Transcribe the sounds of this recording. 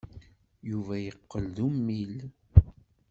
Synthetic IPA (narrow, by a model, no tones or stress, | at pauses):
juvæjəqːəlðumːil